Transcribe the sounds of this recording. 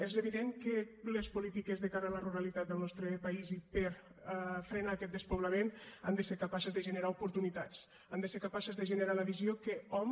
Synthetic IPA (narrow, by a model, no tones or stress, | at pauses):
ezeβiðeŋkəlespulit̪ikezðekaɾəːləruɾalit̪at̪̚d̪əlˠnɔst̪ɾəpaizipəɾ | fɾenaːkɛt̪̚d̪əspoβləmena̰nd̪əseɾkapasəzðəʒəneɾaupuɾt̪unit̪at͡s | and̪əseɾkapasəzðeʒəneɾaləβizjokəɔm